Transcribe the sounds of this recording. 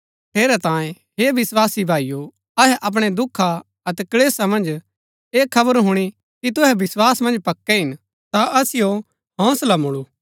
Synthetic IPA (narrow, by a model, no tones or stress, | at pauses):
t̪ʰeːɾɛt̪ãːjẽ | ɦebɪswaːsibʱaːijo | ɐɦɛʔɐp̬ɽ̃ed̪ʊkʰːa | ɐt̪ɛkɐleːsamɐ̃nd͡ʒ | eːkʰːɐbəɾɦʊɽ̃i | kit̪̬ʊɦɛbɪswaːsmɐ̃nd͡ʒpɐkːɛɦɪn | t̪aɐsɪjo | ɦɔ̃ːslamʊɽuː